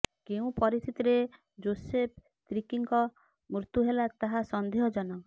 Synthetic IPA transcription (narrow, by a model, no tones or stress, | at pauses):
keũpɔɾist̪ʰit̪iɾe | d͡ʒosep̚ʰ | t̪ɾikiŋkɔ | mɾut̪uɦelat̪aɦasɔnd̪ʱeɦɔd͡ʒɔnɔ